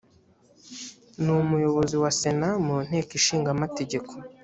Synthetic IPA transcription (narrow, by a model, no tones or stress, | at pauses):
numujo̞βo̞ziwase̞namun̥e̞ːkiʃiːŋɡamate̞ɟe̞kʰo̞